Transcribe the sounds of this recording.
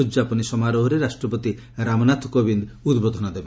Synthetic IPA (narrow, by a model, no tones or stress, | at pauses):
ud͡ʒapɔnisɔmaɾoɦoɾeɾasʈɾɔpot̪i | ɾamɔnat̪ʰkobind̪ud̪bod̪ʱɔnɔd̪ebe